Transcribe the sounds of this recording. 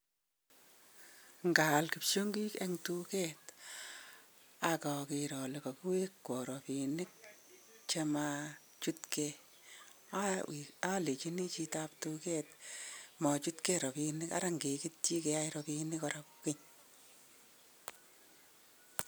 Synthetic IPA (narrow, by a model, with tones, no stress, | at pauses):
ŋɡa˨lki˨pʃo˦ŋɡi˦ke˦ŋtu˦ke˦t | akɔ˨ki˨ɾɔ˨le˨kɔ˨ku˦we˦kkɔ˨ɾɔ˨pi˨nɪ˦k̚ | t͡ʃe˦ma˧ | t͡ʃu˦tke | aa˦li˨t͡ʃi˦ni˦t͡ʃi˧ta˦ptuke˦tmɔ˨t͡ʃu˦tke˦ɾɔ˨pi˧nɪka̰˦ɾa˦ŋɡe˨ki˦t̚t͡ʃi˦ke˧a˦iɾɔpi˧nɪ˦kɔɾapkɪ˦ɲ